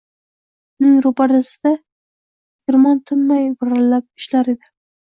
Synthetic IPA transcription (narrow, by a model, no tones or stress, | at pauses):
ʊnɪŋɾʊpaɾasɪd̪̥a | ɡ̥ʲɪɾmɑnt̪ʰʊmːajvʊɾalːap̚ɪʃlaɾed̪ɪ